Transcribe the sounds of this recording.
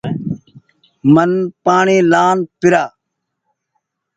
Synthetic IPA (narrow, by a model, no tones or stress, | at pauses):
mənpaːɳiːlaːnpɪɾaː